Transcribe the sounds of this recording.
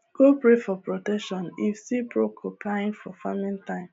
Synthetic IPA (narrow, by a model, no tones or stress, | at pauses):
ɡ̥opɾefɔpɾotɛkʃɔ̃nifsipɾokʰopʰlaɪ̃nfɔfamĩntãɪ̃m